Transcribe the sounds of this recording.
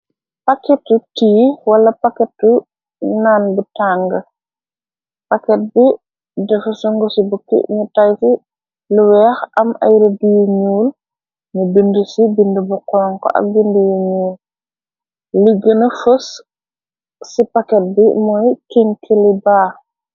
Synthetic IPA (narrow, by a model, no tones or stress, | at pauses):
pakɛtːutiːwɐlɐpakɛtːu | nanbutaŋɡɐ | pakɛt̚bi | dɛfusuŋɡɔsibukːḭɲutajsi | luwɛxɐma̰jɾɐdijuɲuːl | ɲubindəsibindubukɔːŋkɔ̰ʔɐ̰k̚bindujuɲuːl | liɡːənɐfəs | sipakɛt̚bimɔjkiŋkʰilibaː